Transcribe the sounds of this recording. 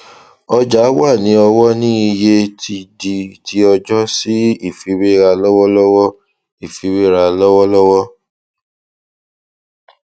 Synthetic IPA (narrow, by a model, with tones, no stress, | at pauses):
ɔ˧d͡ʒa˨˦wa˦˨nĩ˨˦ɔ˧wɔ˦nĩ˦i˧je˦tʰi˧di˧ti˨˦ɔ˧d͡ʒɔ˦si˦i˦˨fi˨˦we˦˨ɾa˧lɔ˦wɔ˦lɔ˦wɔ˦ | i˦˨fi˨˦we˦˨ɾa˧lɔ˦wɔ˦lɔ˦wɔ˦